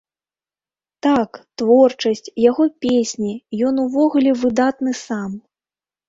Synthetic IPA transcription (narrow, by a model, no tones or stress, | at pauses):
t̪akt̪vɔrt͡ʂɐsʲt͡sʲjaɣɔpʲesʲnʲijɔnuvɔɣulʲɛvɨd̪at̪nɨsam